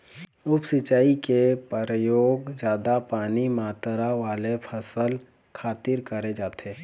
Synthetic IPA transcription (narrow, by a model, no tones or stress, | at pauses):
ʊpsɪt͡ʃaːikepəɾəjoːɡd͡ʒjaːd̪apaːnimaːt̪ɾaʋaːlepʰəsəl | kʰaːt̪ɪɾkəɾed͡ʒaːt̪eː